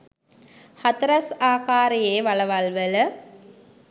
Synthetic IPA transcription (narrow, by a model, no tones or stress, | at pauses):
hɐt̪ɐɾɐsaːkaːɾejeːʋɐlɐʋalʋələ